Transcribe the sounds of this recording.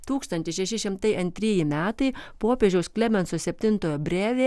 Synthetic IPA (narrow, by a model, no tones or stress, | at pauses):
t̪uːkst̪ɐnʲt̪ʲɪʃʲɛʃʲɪʃʲɪmt̪ɐɪʔɐnʲt̪ʲɾʲiːjɪmʲæːt̪ɐɪpoːpʲeːʒʲɛʊsklʲɛmʲɛntsoːsʲɛpʲt̪ʲɪnt̪oːjoːbʲɾʲæːʋʲeː